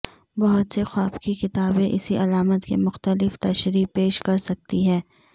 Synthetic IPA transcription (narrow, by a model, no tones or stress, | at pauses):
bɐɦʊt̪sexwaːbkikɪt̪aːbẽʔɪsiʔɐlaːmət̪kḛmʊxt̪əlɪft̪ɐʃɾiːpeːʃkɐɾsɐk̚t̪iɦɛː